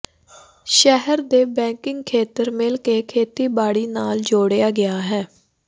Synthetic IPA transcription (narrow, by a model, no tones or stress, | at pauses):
ʃɛɦəɾd̪eːbɛ̃ːŋkɪŋɡkʰeːt̪əɾmɪlkeːkʰeːt̪iːbaːɽiːnaːld͡ʒoːɽejaːɡɪaːɦɛː